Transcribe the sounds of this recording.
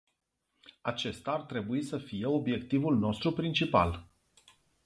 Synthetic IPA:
at͡ʃe̞st̪aːrt̪ɾe̞buisəfije̞o̞bje̞kt̪ivulno̞st̪ɾupɾint͡ʃipa̰l

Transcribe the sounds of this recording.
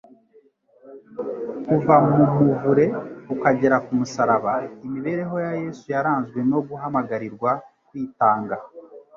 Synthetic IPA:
kuvamumuvuɾe̞ukaɟe̞ɾakumusaɾaβaimiβe̞ɾe̞ɦo̞jaje̞sujaɾaːnzɡwe̞no̞ɡuɦamaɡaɾiɾɡwa | kwiːtaːŋɡa

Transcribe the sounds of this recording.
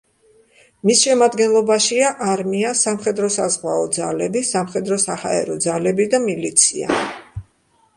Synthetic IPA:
misʃɛmad̪ɡɛnlˠɔbaʃiaʔaɾmiasamχɛd̪ɾɔsazʁwaɔd̪zalɛbisamχɛd̪ɾɔsaha̰ɛ̰ɾɔd̪zalɛbid̪amilit̪sʰia̰

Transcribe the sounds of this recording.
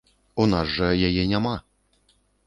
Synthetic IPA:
unazʐɐjajɛnʲama

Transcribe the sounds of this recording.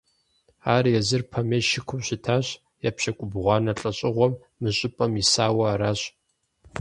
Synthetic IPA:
aːrjɛzɨrpʰɐmeʃɪkʷʰʊmɕɪtʰaːɕ | japɕɐkʷʼʊbʁʷɑːnɐɬʼɐɕʼɪʁʷɔmːɨɕʼɪpʼɐmisaːwɐːɾaːɕ

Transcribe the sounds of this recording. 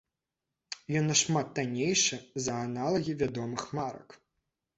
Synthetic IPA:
jɔnːɐʂmat̪̚ːanʲejʂɨzɐanalˠɐɣʲivʲad̪ɔmɨxmaɾɐ̰k

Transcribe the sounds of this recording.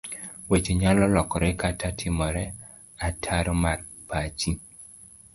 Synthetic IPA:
wet͡ʃeɲalɔlɔkɔɾɛkatʰatʰɪmɔɾɛ | atʰaɾɔmar | pat͡ʃi

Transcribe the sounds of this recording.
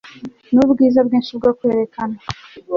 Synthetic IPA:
nubɡiːzabɡiːnʃiub̚ɡokwe̞ːɾe̞kana

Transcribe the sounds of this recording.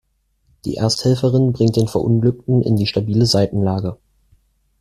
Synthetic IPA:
d̥ḭːʔɛ̰ːɐsthɛlfəʁɪnbʁɪŋt̚d̥eːnfɛɐʔʊnɡlʏk̚tn̩ʔɪ̰ndiːʃtabiːləzaɪtn̩laːɡə

